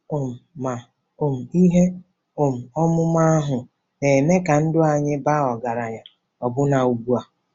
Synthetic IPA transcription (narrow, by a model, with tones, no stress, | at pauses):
o˨m̩˨ma˨ | o˨m̩˨i˦ɦe˦ | o˨m̩˨ɔ˦mʊ˦ma˦a˦ɦʊ˨ | ne˨me˦ka˨n̩˦dʊ˦a˨ɲɪ˦ba˦ɔ˨ɡa˨ɾa˨ɲa˨ | ɔ˨bʊ˦na˨u˨bu˦a˨